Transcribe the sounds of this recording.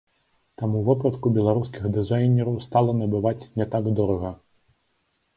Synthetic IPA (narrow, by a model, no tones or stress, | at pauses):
t̪amuvɔpɾɐt̪kubʲɛlˠaɾuskʲiɣd̪ɨzajnʲɛɾɐwst̪alˠɐnɐbɨvat͡sʲnʲɛt̪aɡd̪ɔɾɐɣɐ